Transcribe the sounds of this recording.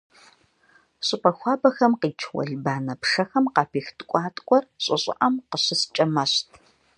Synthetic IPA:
ɕʼɪpʼɐxʷɑːbɐxɐmqiːt͡ʃʰwɐ̰ɮbaːnɐpʂɐxɐmqɑːpʰiːxtʰʼkʷʼɑːtʼkʷʼɔrɕʼɪɕʼɪ̰ʔɐmqəɕɪst͡ʃʼɐmɐɕtʰ

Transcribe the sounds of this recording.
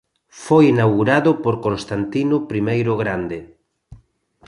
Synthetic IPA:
fojinawɣuɾaðʊpoɾkõnst̪ant̪inʊpɾimejɾʊɣɾand̪ɪ

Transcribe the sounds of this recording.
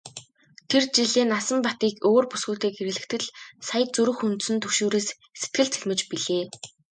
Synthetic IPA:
t̪ʰert͡ɕiɮeːnasə̆mpat̪iːkoːrpu̥sɡuːt̪eːkeɾɘ̆ɮɘ̆kt̪ʰɘ̆ɮsajə̆t̪̚t͡sɵɾɵ̆xunt̪sɘ̆nt̪ʰɵkʃoːɾeːs | set̪̚ɡɘ̆ɮt͡s̪ʰeɮmɘ̆t͡ɕpiɮeː

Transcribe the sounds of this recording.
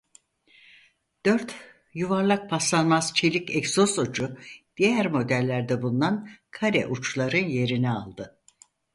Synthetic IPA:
d̪̥øɾt̪ | juvaɾlˠak̚pʰaslˠanmazt͡ʃʰelʲicɛksosod͡ʒud̪̥ijæɾmo̞d̪ælʲːæɾd̪ɛbund̪ankʰaɾɛ̰ʔut͡ʃlˠaɾɯnje̞ɾinɛa̰lˠd̪ɯ

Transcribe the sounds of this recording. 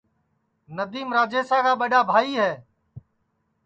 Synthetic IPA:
nəd̪iːmɾaːd͡ʒeːsaːkaːɓəɗaːbʱaːiːɦɛː

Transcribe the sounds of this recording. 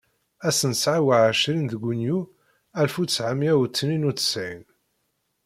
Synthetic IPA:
æsənsʕawaʕəʃɾinðəɡʷunju | ælfusʕamjæwət͡sːninut͡sːə̥sʕin

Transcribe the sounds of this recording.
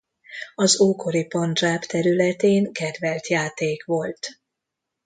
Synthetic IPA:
ɒzoːko̞ɾipɒnd̪raːpt̪ɛɾylɛt̪eːŋkɛd̪vɛlt̪jaːt̪eːkʋo̞lt̪

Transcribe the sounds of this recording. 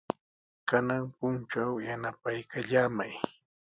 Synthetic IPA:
kanaŋpʊnt͡ʃawjanapajkaʎaːmaj

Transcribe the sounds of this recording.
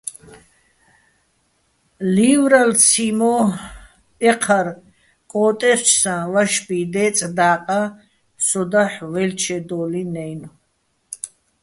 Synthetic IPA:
liːvɾalt͡sʰimɔ | ɛqʰaɾ | kʼɔːt̪ʼɛɾt͡ʃʰsãvaʃbid̪ɛːt͡sʼd̪aːqʼa | sʰɔd̪aħvɛlt͡ʃʰɛd̪ɔːlinɛjn

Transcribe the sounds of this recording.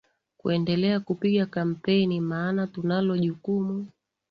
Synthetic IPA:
kuɛndɛlɛakupiɠakam̩pɛnimaːnatunalɔʄukumu

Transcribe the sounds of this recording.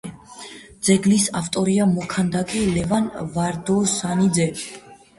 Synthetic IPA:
d̪z̥ɛɡlisaft̪ʼɔɾiamɔkʰand̪akʼɛlɛvanvaɾd̪ɔsanid̪zɛ

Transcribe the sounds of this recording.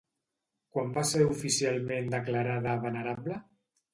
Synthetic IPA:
kwambaseɾufisialˠmẽnd̪əklaɾaðəβənəɾablə

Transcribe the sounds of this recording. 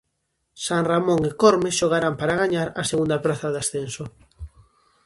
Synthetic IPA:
saŋramõŋekoɾmeʃoɣ̞aɾampaɾaɣ̞aɲaɾaseɣund̪apɾaθɐðasθenso

